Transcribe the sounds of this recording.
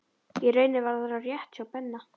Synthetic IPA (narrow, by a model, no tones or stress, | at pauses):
iɾœːɥnɪvaɾðɾawrjɛht̪awpɛnːa